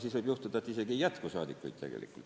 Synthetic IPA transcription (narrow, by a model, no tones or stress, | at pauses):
siːsʋoib̥juht̪ud̪ɑet̪ːˑiseɡijæt̪kosɑːd̪ikːˑo̰it̪t̪eɡ̥ḛlḭkːˑult̪